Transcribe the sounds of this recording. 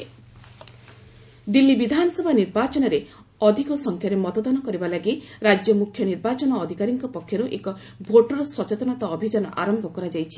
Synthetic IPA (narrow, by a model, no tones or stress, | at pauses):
d̪ilːibid̪ʱanɔsɔbʱaniɾbat͡ʃɔnɔɾe | ɔd̪ʱikɔsɔŋkʰjaɾemɔt̪ɔd̪ɔnɔkɔɾibalaɡiɾad͡ʒjɔmukʰjɔniɾbat͡ʃɔnɔːd̪ʱikaɾiŋkɔpɔkʰːjɔɾuʔekɔ | bʱoʈɔɾɔsɔt͡ʃet̪ɔnat̪ɔːbʱid͡ʒanɔ̰ʔa̰ɾɔmbʱɔkɔɾad͡ʒajt͡ʃʰi̥